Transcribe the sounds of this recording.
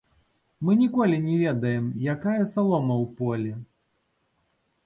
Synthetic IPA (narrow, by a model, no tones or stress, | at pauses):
mɨnʲikɔlʲinʲɛvʲɛd̪ɐjɛmjakajɐsalˠɔmɐwpɔlʲi